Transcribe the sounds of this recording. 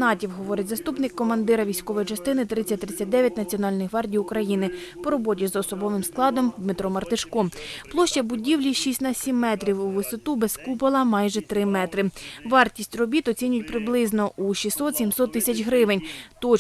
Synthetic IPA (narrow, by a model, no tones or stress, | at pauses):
nɑtʲiwɦɔʋɔɾɪtʲzɐst̪upnɪkːɔmɐnd̪ɪɾɐʋʲijsʲkɔʋɔjit͡ʃɐst̪ɪnɪt̪ɾɪt͡sʲːɐt̚ʲt̪ɾɪt͡sʲːɐt̚ʲd̪ɛʋʲjɐtʲnɐt͡sʲiɔnɑlʲnɪxɦʋɑrdʲijʊkɾɐjinɪpɔɾɔbɔtʲizɔsɔbɔʋɪmsklˠɑd̪ɔmd̪met̪ɾɔmɐrt̪ɪʃkɔmplˠɔʃt͡ʃɐbʊdʲiwlʲiʃisʲtʲnɐsʲimːɛt̪ɾʲiwuʋɪsɔt̪ubeskupɐlˠɐmɑjʒɛt̪ɾɪmɛt̪ɾɪʋɑrtʲisʲtʲrɔbʲit̪ɔt͡sʲinʲʊjʊtʲpɾɪblˠɪznɔʔuʃisːɔt̪sʲimsɔt̪ːɪsʲɐt͡ʃɦɾɪʋenʲt̪ɔ